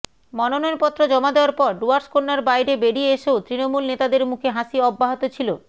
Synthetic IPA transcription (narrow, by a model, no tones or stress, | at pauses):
mɔnonoeɾpɔt̪ːɾod͡ʑɔmad̪eoaɾpɔɾɖuaɾskonːaɾbajɾebeɖieeʃeot̪ɾinomulnet̪ad̪eɾmukʰeɦaʃiɔbːaɦot̪ot͡ɕʰilo